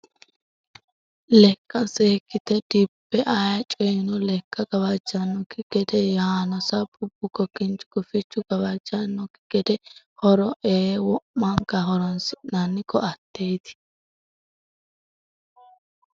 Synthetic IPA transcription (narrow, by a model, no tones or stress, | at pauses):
lɛkʼːɐseːkːɪt̪ɛd̪ibːɛʔajɐt͡ʃʼɔjnʊlɛkʼːɐɡɐbɐd͡ʒɐnːɔkɪɡ̥ɛd̪ɛjɐaːnɔsɐbʼʊb̥ːʊkɔkːɪnt͡ʃʊ̥ɡʊfɪt͡ʃːʊɡɐβɐd͡ʒɐnːɔkɪɡ̥ɛd̪ɛ | hɔɾɔʔeːwɔmːɐŋkɐɦɔɾɔnsɪʔnanːɪkːɔɐt̪ːejt̪ɪ̥